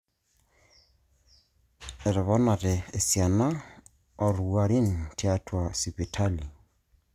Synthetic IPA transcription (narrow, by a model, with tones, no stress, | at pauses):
ɪ˨ɾɪ˨βɔ˦na˨ɾɪː˨sia˨na˦ | o˨ɾuwa˨ɾi˦n̩tʰi˦a˦tʰwa˨si˨pi˨tʰa˦li˨